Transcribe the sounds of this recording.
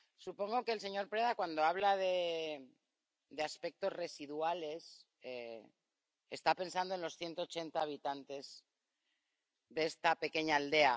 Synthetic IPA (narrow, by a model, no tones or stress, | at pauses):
supo̞ŋɡo̞keːlse̞ɲo̞ɾpɾe̞ðakwand̪o̞aβlaðe̞ | d̪e̞aspe̞k̚t̪o̞zre̞siðuale̞s | e | est̪ape̞ns̬and̪onlo̞sθje̞nt̪o̞ːt͡ʃe̞nt̪aːβ̞it̪ant̪e̞z | ðeest̪ape̞ke̞ɲaːld̪e̞a